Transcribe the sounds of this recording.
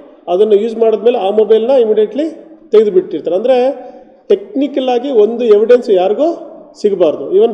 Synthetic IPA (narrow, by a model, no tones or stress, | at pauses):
ɐd̪ɐnːɐjuːd͡ʒmaːɽod̪meːleaːmobɐjlnɐimiɖijeʈlit̪eɡed̪biʈːiɾt̪aːɾeɐnd̪ɐɾe | ʈe̞knikɐlaːɡio̞nd̪ueʋiɖensjaːɾiɡoːsiɡbaːɾd̪uiʋɐn